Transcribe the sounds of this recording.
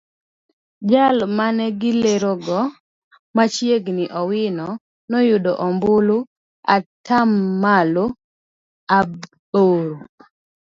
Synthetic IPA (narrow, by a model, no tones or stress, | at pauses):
d͡ʒalmanɛɡɪleɾoɡɔ | mat͡ʃjeɡnɪʔɔwɪnɔ | nɔjʊdɔʔɔmbʊlo | atʰamːalo | ab | oɾo